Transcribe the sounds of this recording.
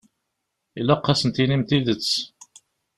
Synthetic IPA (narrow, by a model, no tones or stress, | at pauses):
ilæqːɑsənt̪inimt̪iðət͡sː